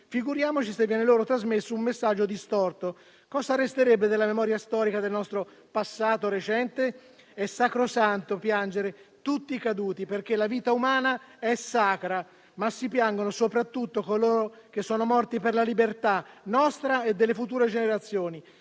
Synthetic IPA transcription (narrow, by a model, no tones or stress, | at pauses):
fiɡuɾjaːmot͡ʃisevːjɛːneloːɾot̪ɾazmesːoumːesːad͡ʒːod̪ist̪ɔrt̪o | kɔːzarest̪eɾɛbːed̪elːamemɔːɾjast̪ɔːɾikad̪elnɔst̪ɾo | pasːaːt̪oɾet͡ʃɛnt̪e | ɛsːakɾosant̪opjand͡ʒeɾet̪ut̪ːikad̪uːt̪iperk̟elːaviːt̪aumaːnaɛsaːkɾa | masːipjaŋɡonosopɾat̪ːut̪ːokoloːɾok̟esːoːnomɔrt̪iperlalibert̪anɔst̪ɾaed̪ːelːefut̪uːɾed͡ʒeneɾat̪sːjoːni